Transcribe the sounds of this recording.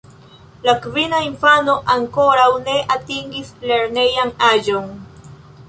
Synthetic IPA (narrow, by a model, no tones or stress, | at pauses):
lakvinainfanoʔaŋkoɾawne̞ʔat̪iŋɡisle̞ɾne̞jaŋaʒoŋ